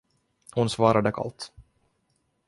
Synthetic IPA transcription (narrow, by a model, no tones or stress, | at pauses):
hʊnsvɑːɾad̪əkʰa̰lt̪